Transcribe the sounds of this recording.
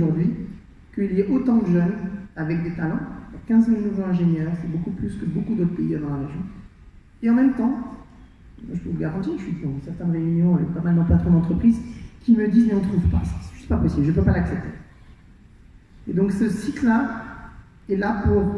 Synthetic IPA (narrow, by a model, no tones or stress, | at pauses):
ʒuʁd̪ɥi | kəiliɛʔot̪ɑ̃d̪əʒœnavɛkd̪et̪alɑ̃puʁkʲɛ̃zmilnuvoɛ̃ʒenjœʁsɛbokuplyskəbokud̪ot̪χpeiad̪ɑ̃laʁeʒjɔ̃ | eɑ̃mɛmt̪ɑ̃ | mʒəpøvulɡaʁɑ̃t̪iʁʒəsid̪id̪ɑ̃sɛʁt̪ɛ̃nʁeynjɔ̃ɛ̰pamald̪ɑ̃pat̪χɔ̃d̪ɑ̃t̪χəpχizkʲiməd̪izmeɔ̃t̪χuvpa̰sḁsɛ̥ʒy̥st̪̚papɔsiblʒəp̬øpalaksɛp̚t̪e | ed̪ɔ̃ksəsit̪la | ɛlapuʁ